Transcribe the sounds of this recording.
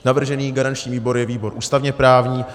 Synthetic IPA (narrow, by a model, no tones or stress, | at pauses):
navr̩ʒɛniːɡaɾant͡ʃɲiːviːbo̞ɾjɛviːbo̞ɾʔuːst̪avɲɛpɾaːvɲiː